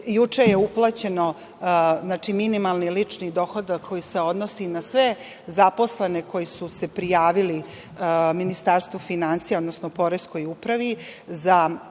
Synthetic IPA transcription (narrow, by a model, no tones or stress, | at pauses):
jut͡ʂejeuplˠat͡ɕe̞no̞ | znaːt͡ʂiminimalnilit͡ʂnid̪o̞xod̪akkːo̞jise̞o̞d̪nosinasʋe̞ | zapo̞slene̞ko̞jisuse̞pɾijaːʋili | minist̪aːɾst̪ʋufinansijaod̪nosnopo̞ɾesko̞jupɾaʋiza